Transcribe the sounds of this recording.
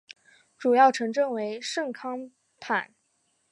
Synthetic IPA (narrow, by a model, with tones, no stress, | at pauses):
ʈ͡ʂu˨˩jɑ˥˩ʊʈ͡ʂʰɤ˧˥ŋʈ͡ʂɤ˥˩ŋwe˧˥ɪʂɤ˥˩ŋkʰɑ˥ŋ | pʰa̰˨˩˦n